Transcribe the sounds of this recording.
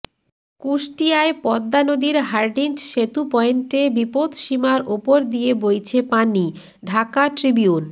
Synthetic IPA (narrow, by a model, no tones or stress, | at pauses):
kuʃʈijaepɔd̪ːanod̪iɾɦaɾɖind͡ʑʃet̪upɔenʈebipod̪ʃimaɾʔopoɾd̪ijebojt͡ɕʰepani | ɖʱakaʈɾibiun